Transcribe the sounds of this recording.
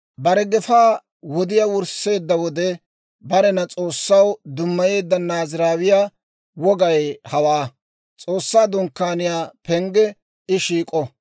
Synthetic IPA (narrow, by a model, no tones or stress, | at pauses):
bɐɾɛɡɛfaː | wɔd̪ɪjawʊɾse̞ːd̪ːɐwɔd̪ɛ | bɐɾɛnɐt͡sʼo̞ːsːɐwd̪ʊmːɐje̞ːd̪ːɐnaːzɪɾaːwɪjaː | wɔɡɐjhɐwaː | t͡sʼo̞ːsːaːd̪ʊŋkːaːnɪjaːpɛŋɡɛ | ɪʃiːkʼɔ